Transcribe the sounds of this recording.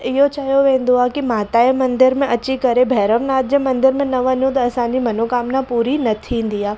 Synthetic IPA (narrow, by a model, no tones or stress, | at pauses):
ɪɦot͡ɕaːɦijoʋẽːnd̪oaːkimaːt̪aːemɐ̃nd̪ɪɾmẽʔɐt͡ɕikɐɾebʱɛːɾəʋnaːt̪̚d͡ʑemɐ̃nd̪ɪɾmẽnɐʋɐ̃nũt̪̬ɐːsãːɲd͡ʑimɐnoːkaːmnapuːɾinɐt̪ʰĩnd̪iaː